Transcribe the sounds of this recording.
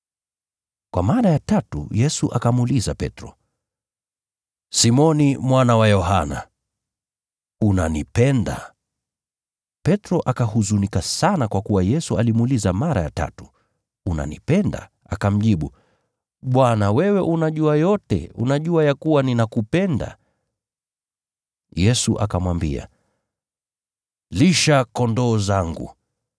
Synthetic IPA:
kwa̰maɾajatatṵjɛsuʔakamuliza̰pɛ̰tɾɔ̰ | simɔnimwanawajɔɦana̰ | una̰nipɛnda̰ | pɛtɾɔʔakahuzunikasanakwakuwajɛsualimulizamaɾa̰ja̰ta̰tu̥ | una̰nḭpɛnda̰ | akam̩ʄiɓu | ɓwanawɛwɛʔunaʄuajɔtɛ̰ṵnaʄuajakuwaninakupɛnda̰ | jɛsuʔakamwambḭa̰ | liʃakɔndɔːzaŋɡṵ

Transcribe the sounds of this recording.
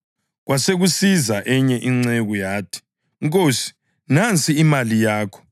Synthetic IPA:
ɣwaseɣusizaʔɛɲɛʔiŋ͡ǀeɣujaːtʰi̥ | ŋk̬ʼoːsi̥ | nant͡sʼiːmalijaːkʰɔ̥

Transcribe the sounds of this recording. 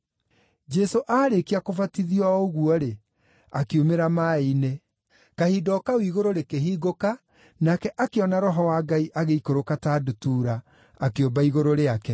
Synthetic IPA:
d͡ʒɛsoʔaɾekiakovatiðjɔoɣuɔɾe | akeomeɾamaine | kahidɔkawiɣoɾoɾekeɦiːɡoka | nakɛʔakeɔnaɾɔɦɔwaːɡaiʔaɣeikoɾokatadutuɾaː | keombaiɣoɾoɾeakɛ

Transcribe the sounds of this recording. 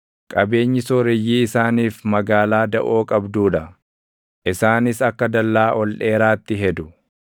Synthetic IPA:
kʼɐbe̞ːɲːɪsɔːɾɪjːiːɪsaːniːfmɐɡaːlaːd̪ɐʔo̞ːkʼɐbd̪uːᶑɐ | ʔɪsaːnɪsɐkːɐd̪ɐlːaːʔɔlᶑe̞ːɾaːt̪ːɪɦɛd̪ʊ

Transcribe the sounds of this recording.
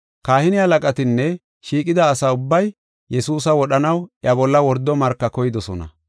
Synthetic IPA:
kaːhɪnɪhɐlɐkʼɐt̪ɪnːɛ | ʃiːkʼɪd̪ɐːsɐʊbːɐj | jɛsuːsɐwɔɗɐnɐwʔjɐbɔlːɐwɔɾd̪ːɔmɐɾkːɐkɔjɪd̪ɔsɔnɐ̰

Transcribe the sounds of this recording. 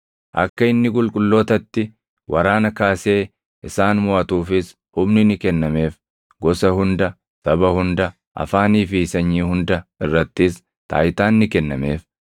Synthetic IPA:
ʔɐ̰kːɐɪnːɪkʼʊlkʼʊlːo̞ːt̪ɐt̪ːɪ | wʔɐɾaːnɐkaːse̞ː | ʔɪsaːnmʊʔɐt̪uːfɪs | hʊmnɪnɪkɛnːɐme̞ːf | ɡɔsɐhʊnd̪ɐ | t̪ɐbɐhʊnd̪ɐ | ʔɐ̰faːniːfɪsɐɲːiːhʊnd̪ɐɪrːɐt̪ːɪs | t̪a̰ːjt̪aːnːɪkɛnːɐme̞ːf

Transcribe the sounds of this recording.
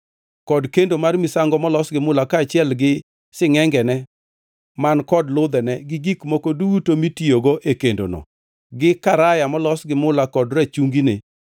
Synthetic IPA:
kɔdkendomarmisaŋɡɔmɔlɔsɡɪmʊlakaːt͡ʃɪɛlɡɪ | sɪŋɛŋɡɛnɛ | mankɔdlʊd̪ɛnɛɡɪɡikmokoduutomitioɡoʔekendo̰nɔ̰ | ɡɪkaɾajamɔlɔsɡɪmʊlakɔdrat͡ʃuŋɡine

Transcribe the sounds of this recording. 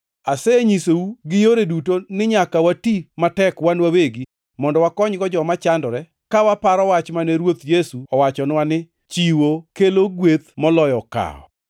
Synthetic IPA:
asɛɲisowuɡɪjoɾedutonɪɲakawatimatɛkwanwaweɡi | mɔndɔwakɔɲɡɔd͡ʒɔmat͡ʃandɔɾɛ | kawapaɾɔwat͡ʃmanɛɾwot̪jesuɔwat͡ʃɔnɪwanɪ | t͡ʃiwokeloɡwet̪mɔlɔjɔka̰ɔ̰

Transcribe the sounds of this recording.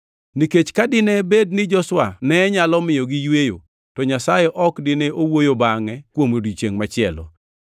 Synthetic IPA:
niket͡ʃkadɪnɛbed̚nɪd͡ʒɔswanɛɲalɔmɪjɔɡɪjwejo | tɔɲasajɛʔɔkdɪneʔowojobaŋɛkwomodit͡ʃeŋmat͡ʃɪɛlɔ̰

